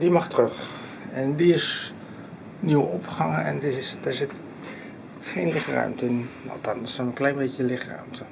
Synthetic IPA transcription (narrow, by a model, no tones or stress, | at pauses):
dimaχtərøx | ɛndiɪs | niwəɔpχaŋəɛ̰ndisdɛsɪt | χeːnlɪχrœ̰ɥmtəɪnɑ̰ltɑnsonənklɛjnbecəlɪxrœ̰ɥmtʰə